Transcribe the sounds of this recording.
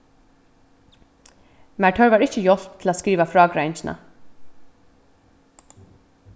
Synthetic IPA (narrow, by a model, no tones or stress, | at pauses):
mæʈʰœɹʋɑːɹɪçəjɔl̥p̚t̪ʰl̩aːskɾiːʋafɹɑːɡɾæɪnçnʔɑ̰